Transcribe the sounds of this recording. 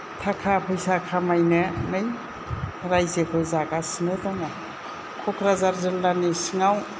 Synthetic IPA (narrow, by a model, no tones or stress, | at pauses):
tʰakʰapʰɯjsakʰamajnɯnɯj | ɾajzekʰɯzaɡasɯnɯdɔŋa | kʰɔkʰɾazaɾzɯlːanisɯŋaw